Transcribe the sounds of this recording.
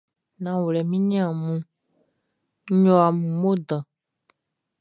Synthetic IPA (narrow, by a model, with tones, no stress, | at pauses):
nã˨wo˨lɛ˨mĩ˦ɲɛ̃˦ã˨mũ˦ | ɲɔ̃˦a˨mũ˨mo˦d̪ã˨